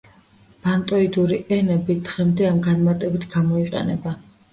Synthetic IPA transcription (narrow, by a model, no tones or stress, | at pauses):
b̥ant̪ʼɔid̪uɾiʔɛnɛbid̪ʁɛmd̪ɛamɡanmaɾt̪ʼɛbit̪ʰɡ̥amɔiqʼɛ̰nɛba